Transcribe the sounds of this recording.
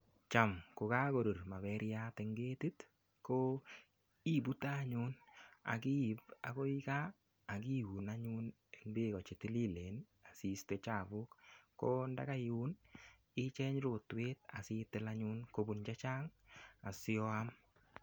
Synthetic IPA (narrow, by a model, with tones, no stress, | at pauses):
t͡ʃa˨mkʊ˨ka˦ɡo˨ɾo˨ɾma˨βɛɾjatɛ˨ŋɡeː˦ti˦t | ko˦ | i˦bu˦ta˦ɲu˦na̰˨ki˦i˨pa̰˨ko˦i˦kaː˦˨ | k̬i˦u˨na˦ɲu˦n | e˨ŋbe˦kɔ˨t͡ʃe˨tɪ˦li˦le˨n | a˨si˨ste˦t͡ʃa˨bu˦kːo˦nda̰˦ka˦ju˦n | ɪ˦t͡ʃɛ˦ɲɾotwe˦ta˨si˦tɪ˦la˦ɲʊ˦nko˦bu˨nt͡ʃa˦t͡ʃa˦ŋa˨sɪ˦ɔ˦am